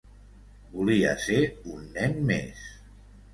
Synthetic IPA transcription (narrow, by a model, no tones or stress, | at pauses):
bulia̰seunːɛnmḛs